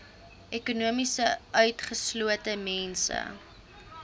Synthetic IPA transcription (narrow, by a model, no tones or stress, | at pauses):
ʔɛkunuəmisəʔœɥtχəsluətəmɛnsə̰